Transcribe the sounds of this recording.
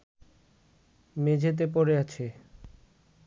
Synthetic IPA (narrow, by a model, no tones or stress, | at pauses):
med͡ʑʱet̪̬ep̬oɾeat͡ɕʰe